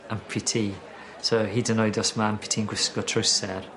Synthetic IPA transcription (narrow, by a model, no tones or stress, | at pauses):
anpʰɪtʰi | soɦidɪnɔjdɔsmampʰɪ̥tʰinɡwɪskɔtʰɹowsɛɾ